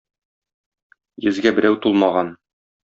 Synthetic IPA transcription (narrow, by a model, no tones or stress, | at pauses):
jɘ̆zɡæbɘ̆ɾæwt̪ulˠmɑʁɑn